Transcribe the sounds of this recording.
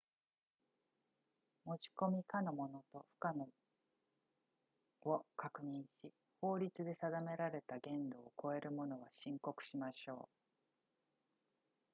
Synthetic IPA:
mo̞t͡ɕi̥ko̞mʲikano̞mo̞no̞t̪o̞ɸɯ̟̥kano | okakɯ̟ɲ̟ĩɰ̃ɕi | ho̞ːɾʲit͡sɨd̪e̞sad̪ame̞ɾaɾe̞t̪aɡẽ̞nd̪o̞ːko̞e̞ɾɯ̟mo̞no̞β̞aɕĩŋko̞kɯ̟̥ɕimaɕo̞ː

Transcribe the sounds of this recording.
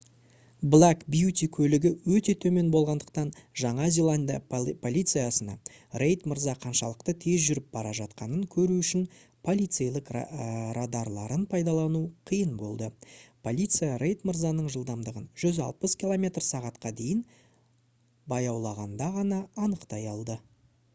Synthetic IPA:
blˠakbjut̪ʲikʲʰɵlɪɡʲɪwɵt̪e̞t̪ʰɵme̞nbo̞lˠʁɑnd̪əq̚t̪ɑnʒɑɴɑzʲelˠand̪pʰo̞lʲˠijt̪sɨjasənɑ̰ | rejt̪məɾzɑqʰɑnʃɑlˠəqt̪ət̪ʰe̞zʒʏɾɪp̚bɑɾɑʒɑt̪qɑnəŋkʲʰɵɾuʏʃɪnpʰo̞lʲˠijt̪sejlˠɪqrad̪ɑɾlˠɑɾənpʰɑjd̪ɑlˠɑnuqʰijənbo̞̰lˠd̪əpʰo̞lʲˠit̪sɨjaɾʔejt̪mərzɑnəɴʒəlˠd̪ɑmd̪əʁənʒ̥ʏzɑ̰lˠpəskʲilˠomʲe̞t̪rsɑʁɑt̪qɑd̪e̞jɪn | bɑjɑwlˠɑʁɑnd̪ɑʁɑnɑːnəqt̪ɑjɑlˠd̪ə

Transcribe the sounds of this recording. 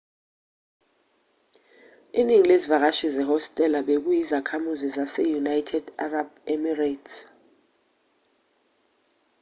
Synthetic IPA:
iniŋilezivak̬aʃizɛɦɔstʼɛlaɓek̬ujizakʰamuzizasɛjunajtʰɛdarabɛmirats

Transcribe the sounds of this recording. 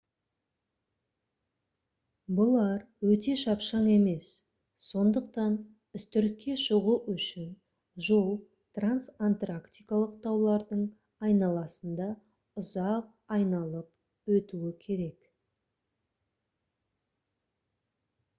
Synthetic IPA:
bʊlˠɑɾwɵt̪e̞ʃɑpʃɑɴe̞me̞sː | o̞nd̪əqt̪ɑn | ʏst̪ʏɾt̪̚kʲʰe̞ʃʊʁuʔʏʃɪn | ʒo̞lˠ | t̪ransant̪rakt̪ʲijkalˠəqt̪ʰɑwlˠɑɾd̪əɴ | ɑjnɑlˠɑsənd̪ɑ | ʊzɑq̚ɑjnɑlˠəp | wɵt̪uɪkʲʰe̞ɾe̞k

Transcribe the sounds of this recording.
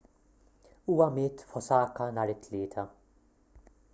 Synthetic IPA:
uːwɐmɪːt̪fɔsɐːkɐnɐːɾɪt̪ːlɪːt̪ʰɐ

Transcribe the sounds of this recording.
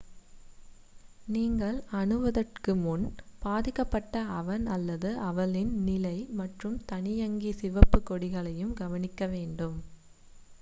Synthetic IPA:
niːŋɡɐɭɐɳɯʋɐðɐrkɯmʊnbaːðɪkːɐpːɐʈːɐɐʋɐnɐlːɐðɯʔɐʋɐɭɪnnɪlɐɪmɐʈrɯmt̪ɐɳɪjɐŋɡisɪʋɐpːɯkːɔɽɪɣɐɭɐjɯmɡɐʋɐnɪkːɐʋeːɳɖɯm

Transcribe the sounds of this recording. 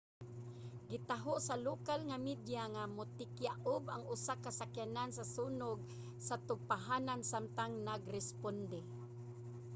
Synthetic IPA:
ɡɪt̪aɦoʔsalokalŋamid̪jaŋamʊt̪ɪkjaʔʊbaŋʊsakasakjanansasunʊɡ̚ | sat̪ʊɡ̚paɦanansamt̪aŋnaɡɾɛspond̪ɛ

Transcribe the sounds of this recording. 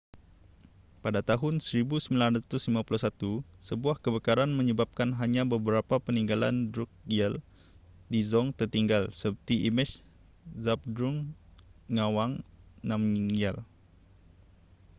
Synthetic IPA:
padat̪aɦʊnsəɾibusəmbilanat̪ʊslimapuluhsat̪usəbuahkəbəkaɾanmə̃ɲəbap̚kanɦaɲãbəbəɾapapəniŋɡala̰ndɾuk̚jɛl | dizɔŋt̪ərt̪iŋɡalsəpərt̪iʔimɛt͡ʃ | zap̚d̪ɾuŋː | awaŋnãmjal

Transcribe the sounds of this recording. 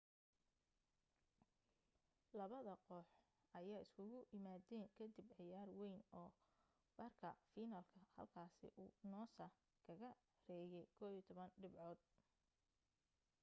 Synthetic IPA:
lɐβɐðɐqɔːħ | ʔɐjaːɪskʰʊɣʊʔɪmaːdɛːŋkʰɐd̪ibʕɪjaːrwɛjnɔː | b̥ɐrkʰɐ̰fiːnɐlkʰɐhɐ̰lkʰaːsɪ̰ʔuːnɔːsa | kʰɐɣɐ | rɛːjɛjkʰɔːβit̪ʰɔβɐnɖɪbʕɔːd̪̚

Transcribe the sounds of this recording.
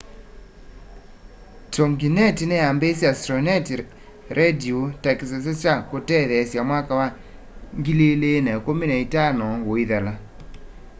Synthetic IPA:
tomɡinɛtinɛambesastɾɔnɛti | ɾʔediotɛks̬as̬ɛt͡ʃakotɛðɛsjamwakawa | ŋɡilelenɛkomineitanɔwoiðala

